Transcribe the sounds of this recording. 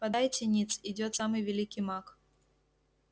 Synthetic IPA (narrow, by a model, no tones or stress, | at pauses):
pɐd̪ajtʲɪnʲit̪sid͡zʲɔt̪samɨjvʲɛlʲikʲimak